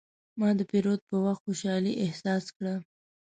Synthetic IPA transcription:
mɑd̪əpiɾot̪̚pəwaxt̪xoʃɑliʔɪhsɑskɽa

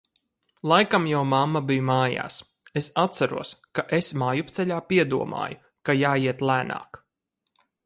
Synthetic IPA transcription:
lˠajkamjawmamːabijumaːja̰ːs | esat̪t̪sæɾṵɔskaʔesmaːjupt̪sɛʎʲaːpiɛd̪uɔmʔa̰ːju | kajaːiɛt̪lˠæːna̰ːk

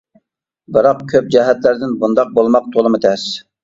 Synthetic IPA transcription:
bɨɾɑqkʲʰøp̚d͡ʒɛɦɛt̪læɾd̪ɪnbund̪ɑq̚bolˠmɑq̚t̪ʰolˠɨmɨt̪ʰɛs

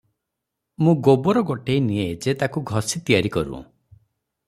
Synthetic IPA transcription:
mũɡobɔɾɔɡɔʈejnied͡ʒet̪akuɡʱɔsit̪ijaɾikɔɾṵ

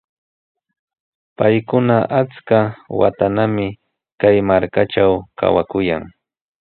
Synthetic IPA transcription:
pajkʊnaʔat͡skawa̰t̪anamɪ | kajmaɾkaʈ͡ʂawkʰa̰wakʊjaŋ

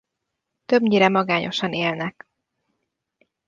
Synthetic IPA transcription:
t̪ø̞bɲiɾɛmɒɡaːɲʔo̞̰ʃɒneːlnɛk

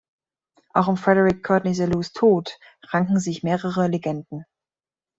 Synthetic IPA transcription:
ʔaʊxʊmfʁ̥ɛɾəʁɪkʰːɔtnɛzaluːstʰoːt | ʁaŋkŋ̩zɪçmeːʁəʁəleɡɛndn̩

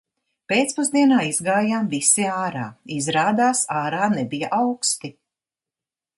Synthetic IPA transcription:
peːt̪spuzd̪iɛnaːizɡaːjaːmvisiaːɾa̰ːizɾaːd̪aːsaːɾaːnɛbijaʔawkst̪i

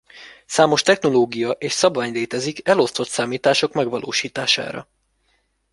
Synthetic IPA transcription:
saːmo̞ʃt̪ɛxno̞loːɡijɒʔeːʃsɒbvaːɲleːt̪ɛzikɛlo̞st̪o̞t̪saːmiːt̪aːʃo̞kmɛɡʋɒlʔo̰ːʃiːt̪a̰ːʃa̰ːɾɒ̰

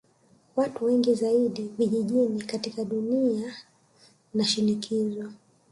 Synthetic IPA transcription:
watuwɛŋɡizaiɗiviʄiʄinikatikaɗunia | naʃinikʰizwwa

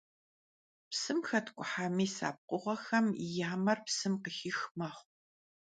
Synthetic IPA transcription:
psɨmxɐtʰkʷʼʊħaːmiːsa̰ːp̚qʷʼʊʁɐxɐmḭjaːmɐrpsɨmqəxiːxmɐχʷ

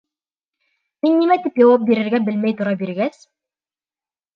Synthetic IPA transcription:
minːimæt̪ipjɑwɑp̚biɾɘ̆ɾɡæbɘ̆lmæjt̪ŭɾɑbiɾɡæs

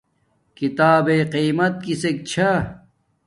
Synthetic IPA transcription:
kit̪aːbeːqiːmɐt̪̚kisek̚t͡ɕʰɐ

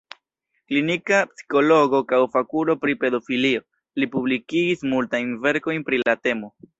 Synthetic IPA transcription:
klinikapsi̥ko̞lo̞ɡo̞kawfakuɾo̞pɾipe̞do̞filio̞ | lipublikiɡismultajnve̞ɾko̞jnpɾilate̞mo̞

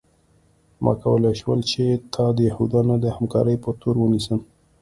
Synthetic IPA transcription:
mʔɑ̰kawəlajʃwə̰lt͡ʃet̪ʰɑd̪əjahud̪ɑnad̪əhamkɑ̰ɾəjpət̪oɾwənisəm

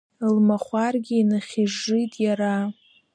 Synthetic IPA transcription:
lmaχʷarɡʲiinɨχʲiʐitʼjaɾa

